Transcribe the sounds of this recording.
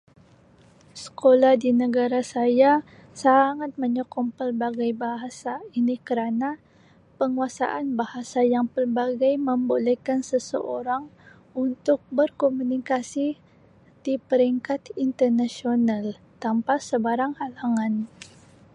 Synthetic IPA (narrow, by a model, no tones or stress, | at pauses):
sə̥kolahdinəɡaɾasaja | saŋat̪̚məɲokɔmpəlbaɡajbaɦasainikəɾana | pəŋuasa̰ʔanbahasajaŋpərbaɡajməmbolɛjkansəsə̰ʔoɾaŋ | unt̪ʊk̚bərkomunikasi | d̥ipəɾiŋkat̪int̪ərnasional | t̪ampasəbaɾaŋhalaŋan